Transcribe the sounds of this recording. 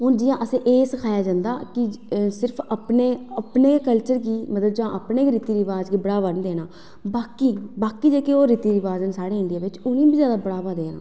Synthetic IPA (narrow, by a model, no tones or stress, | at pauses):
ɦoːnd͡ʒiːãːʔəsẽːʔeːsəkʰaːjaːd͡ʒãːnd̪a̰ːkɪsɪɾpʰəpneːəpneːkəlt͡ʃəɾɡiːmət̪ləbd͡ʒãːʔəpneːɾɪt̪iːɾɪʋaːd͡ʒɡiːbəɽaːʋənd̪eːnãː | baːkiːbaːkiːd͡ʒeːkeoːɾɪt̪iːɾɪʋaːzənsaːɽeːɪɳɖɪjaːʋɪt͡ʃʊnĩːbiːzjaːd̪aːbəɽaːʋaːd̪eːna̰ː